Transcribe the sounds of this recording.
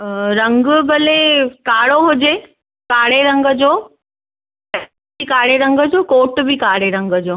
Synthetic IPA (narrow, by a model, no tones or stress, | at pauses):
ɾɐ̃ŋɡbɐlekaːɽoɦʊd͡ʑe | kaːɽeɾɐ̃ŋɡə̆d͡ʑoː | ɐ | bikaːɽeɾɐ̃ŋɡə̆d͡ʑoːkoːʈbɪkaːɽeɾɐ̃ŋɡəd͡ʑoː